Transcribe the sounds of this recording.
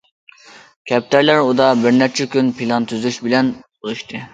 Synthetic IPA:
kʲʰɛp̚t̪ʰæɾlæɾud̪ɑbɪɾnæɾt͡ʃʰɛkʲynpʰilˠɑnt̪ʰyzlyʃbɪlɛnbolˠuʃt̪ʰɨ

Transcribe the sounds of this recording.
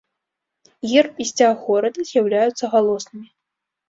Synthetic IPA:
jʲirpisʲt͡sʲaɣɔɾɐd̪ʲɨzʲjawlʲajut̪sɐɣalˠɔsnɨmʲi

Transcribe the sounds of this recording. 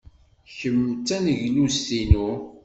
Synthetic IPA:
çəmːt͡sːænəʝlusθinu

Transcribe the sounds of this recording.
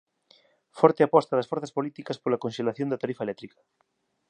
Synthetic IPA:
fɔɾt̪eapɔst̪aðɐsfoɾθɐspolit̪ikɐspolakonʃelaθjond̪at̪aɾifaelɛk̚t̪ɾikɐ̥

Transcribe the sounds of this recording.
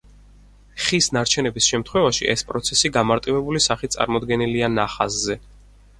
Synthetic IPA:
χisnaɾt͡ʃʰɛnɛbisʃɛmt̪ʰχwɛvaʃḭʔɛspʼɾɔt̪sʰɛsiɡamaɾt̪ʼivɛbulisaχit̪sʼa̰ɾmɔd̪ɡɛnilianaχaszɛ

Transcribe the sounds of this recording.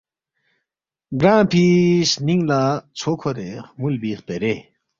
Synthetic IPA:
ɡɹanpʰisniŋlat͡sʰokʰoɾeʔmulbipeɾeʔ

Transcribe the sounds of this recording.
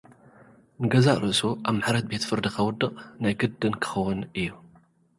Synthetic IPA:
nɨɡɐzaʔʼɾɨsuʔaβmaħɾɐt̪̚be̞t̪fɨɾd̪ikʰɐwʊd̪ːɨqʼnajɡɨd̪ːɨnkʰɨ̥xɐwːʊnɨjːu

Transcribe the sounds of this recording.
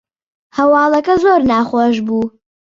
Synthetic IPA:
hɐwɑːlˠɐkɐzoːɾnaːχoːʃbuː

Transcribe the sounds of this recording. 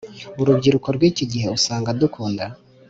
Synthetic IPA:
uɾubɟiɾukoɾɡwiːciɟiɦe̞usaːŋɡadukʰuːnda

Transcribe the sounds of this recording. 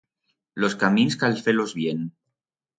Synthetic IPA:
loskaminskalfelozβjen

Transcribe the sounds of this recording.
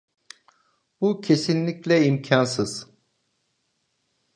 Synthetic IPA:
b̥ucʰe̞sinlʲiclʲɛimcʰansɯz̥

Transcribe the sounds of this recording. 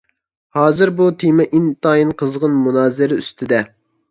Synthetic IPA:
hɑːzɨɾbut̪ʰimɛʔint̪ʰɑːjinqʰəzʁənmunɑːzɪɾɪyst̪ʰɪd̪ɛ

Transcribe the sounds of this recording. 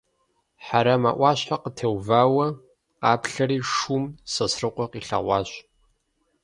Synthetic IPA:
ħaɾɐmaːʔʷɑːɕħaqətʰeːwvaːwɐ | qɑːpɬɐɾiːʂuːmsɐsrɨqʷɔqiːɬɐ̰ʁʷɑːɕ

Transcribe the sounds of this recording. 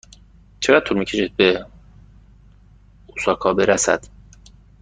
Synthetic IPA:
t͡ʃʰeɣæd̪̚t̪ʰuːɾmiːcʰe̞ʃid̪̚be | usɒːkʰɒːbeɾæsæ̰d̪̥

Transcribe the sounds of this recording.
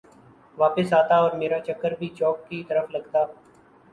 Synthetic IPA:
ʋaːpɪsaːt̪aɔːɾmeːɾat͡ʃɐkːəɾbʱit͡ʃɔːkːit̪ɐɾəflɐɡt̪aː

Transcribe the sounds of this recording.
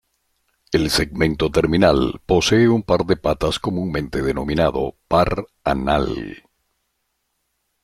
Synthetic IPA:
e̞lse̞ɡmẽ̞nt̪o̞t̪e̞ɾminalpo̞seːumpaɾðe̞pat̪asko̞mũŋmẽ̞nt̪e̞ðeno̞minaðo̞̰paɾana̰l

